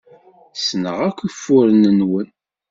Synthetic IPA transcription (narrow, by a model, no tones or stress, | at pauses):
snə̰ʁækʷːifːʊɾənənwən